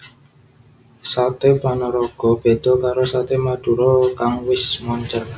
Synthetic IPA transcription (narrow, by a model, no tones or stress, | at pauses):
sat̪ebanɔɾɔɡ̥ɔ̤b̥e̤d̪̥ɔ̤kaɾosat̪emad̪̥ṳɾɔkaŋwɪsmɔɲt͡ʃər